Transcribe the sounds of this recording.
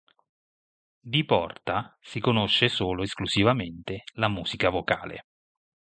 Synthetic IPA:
d̪ipɔrt̪asikonoʃːesoːloeskluzivament̪elamuːz̥ikavokaːlḛ

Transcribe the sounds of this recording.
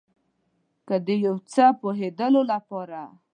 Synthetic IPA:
kəd̪əjawt͡səpoɦed̪əlolapɑɾa

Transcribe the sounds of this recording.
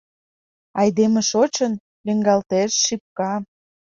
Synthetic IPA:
ɑjd̪emeʃot͡ɕən | liŋɡɑlt̪eʃːip̚kɑ

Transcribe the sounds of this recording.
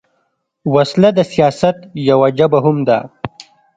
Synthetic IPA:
waslad̪əsijɑːsat̪jawad͡ʒabaɦʊmd̪a̰

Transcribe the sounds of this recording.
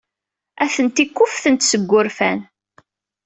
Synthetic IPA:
æθənt̪ikʷːʊfθənt̪səɡʷːʊɾfæn

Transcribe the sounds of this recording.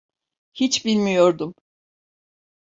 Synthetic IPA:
hit͡ʃbilʲmijo̞ɾd̪um

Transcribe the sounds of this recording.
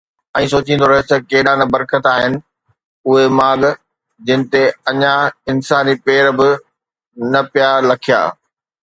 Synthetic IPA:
ɛ̃ːsoːt͡ɕʰĩːn̆d̪oɾɐɦot̪ɐkeːɗanɐbɐɾkət̪aːɦɪnɪ̆ | ʊɦemaːɠ | d͡ʑɪnɪ̆t̪eɐɲaɪnsaːnipeːɾbɪ | nɐpijaːɾlɐkʰija̰ː

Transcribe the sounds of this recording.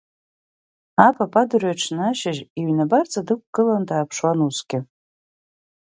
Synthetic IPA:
apʰapʰʼadɨraʈ͡ʂʰnaʃaʒiɥnabart͡sʰʼadɨk̚ʷʰʼɡ̥ɨlandaːpʰʂwanusɡʲɪ

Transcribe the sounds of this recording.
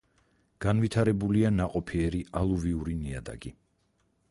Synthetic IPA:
ɡ̥anvit̪ʰaɾɛbulianaqʼɔpʰiɛɾialˠuviuɾinia̰d̪a̰ɡi

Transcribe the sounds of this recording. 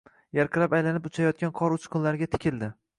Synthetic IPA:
jaɾqʰɨɾapajlanɪpʊt͡ʃʰajɒt̪̚kʲanqʰɒɾʊt͡ʃqʰʊnlaɾɡʲat̪ʰɪ̥kʲʰɪld̪ɪ

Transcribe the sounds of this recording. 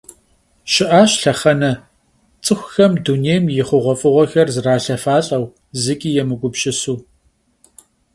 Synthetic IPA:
ʃɪʔaːɕɬɐχɐnɐ | t͡sʼɨxʷxɐmduneːjmjɪχʷʊʁʷɔfʼɨʁʷɔxɐrzɨraːɬɐfaːɬʼɐw | zɨkʲʼiːjɛmɨɡʷʊpɕʼɪsuː

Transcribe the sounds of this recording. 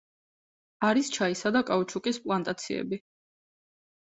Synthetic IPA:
aɾist͡ʃʰaisad̪akʼaut͡ʃʰukʼispʼlˠant̪ʼat̪sʰiɛ̰bi

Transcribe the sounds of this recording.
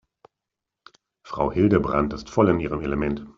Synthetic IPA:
fʁ̥aʊhɪldəbʁa̰ntɪstfɔlɪniːʁəmeləmɛnt

